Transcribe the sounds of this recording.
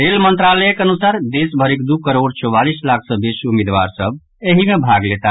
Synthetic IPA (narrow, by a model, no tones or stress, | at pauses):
elmənt̪ɾalɛkənusaɾd̪esbʱəɾekd̪ukəɾoɽt͡ʃɔbalislak̚ʰsə̃bisumed̪ʋa̰ɾsəb̚ | eɦimebʱaɡlet̪a